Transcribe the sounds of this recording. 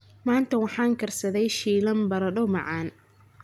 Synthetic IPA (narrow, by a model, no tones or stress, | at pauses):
maːnt̪ʰɐwɑħɑːŋkʰɐrsɐðɛjʃiːlɐmbɐɾɐɖɔwmɑ̰ʕɑːn